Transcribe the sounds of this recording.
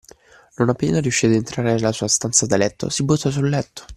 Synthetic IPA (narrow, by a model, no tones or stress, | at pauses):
nonapːeːnaɾjuʃːid̪ent̪ɾaːɾenelːasuːast̪ant̪sad̪alɛt̪ːo̰sibut̪ːɔs̬ulːɛt̪ːo̥